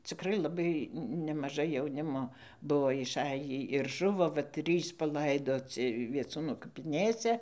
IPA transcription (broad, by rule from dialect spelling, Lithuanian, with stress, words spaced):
t͡sʲɪˈkrɐɪ lˠɐˈbɐɪ nʲɛmɐˈʒɐɪ jɛʊˈnʲɪmoː ˈbuɔ ɪʃˈɑːjiː ɪr ˈʒʊʋoː ʋɐ ˈtʲrʲiːs pɐˈlˠɐɪdoːt͡sʲɪ ʋʲiɛˈt͡suːnʊ kɐpʲɪˈnʲeːsʲɛ